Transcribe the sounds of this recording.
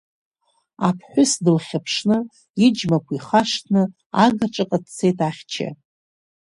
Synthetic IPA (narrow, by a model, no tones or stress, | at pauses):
apʰħʷʊsdɨlχʲapʰʂnɨ | id͡ʒmakʷʰiχaʂtʰnɨ | aɡɨʈ͡ʂʼɨqʼadt͡sʰe̞jtʰaχʲt͡ʃʰɪ̰